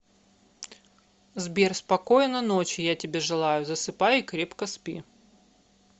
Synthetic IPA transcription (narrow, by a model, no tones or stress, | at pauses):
zbʲerspɐkojɪnəno̞t͡ɕɪjatʲɪbʲeʐɨlˠajʊzəsɨpajɪkɾʲe̞pkəspʲḭ